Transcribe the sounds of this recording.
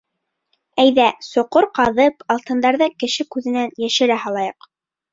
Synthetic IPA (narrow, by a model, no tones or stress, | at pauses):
æjðæsŏqoɾqɑðɤpɑlˠt̪ɤ̆nd̪ɑɾðɤkɘ̆ʃɘkʉðɘ̆nænjæʃɘ̆ɾæhɑlˠɑjɤq